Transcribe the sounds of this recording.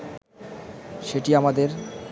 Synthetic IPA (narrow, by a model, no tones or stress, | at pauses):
ʃeʈiamad̪eɾ